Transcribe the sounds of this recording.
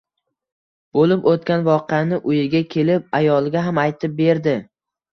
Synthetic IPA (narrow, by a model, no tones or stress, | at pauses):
b̥olɪpot̪̚kʲanvɒqɨjanɪʔʊjɪɡʲakʲʰe̞lɪp̚ajɒlˠɡʲaɦamajt̪ʰɪp̚be̞ɾd̪ɪ